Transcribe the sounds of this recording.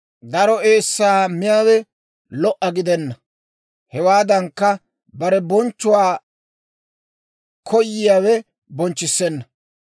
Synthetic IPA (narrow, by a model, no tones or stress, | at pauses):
d̪ɐɾɔeːsːaːmɪjaːwɛ | lɔʔɐɡɪd̪ɛnːɐ | hɛwaːd̪ɐŋkːɐ | bɐɾɛbɔnt͡ʃːʊwaː | kʰɔjːɪjaːwɛ | bɔnt͡ʃːɪsːɛnːɐ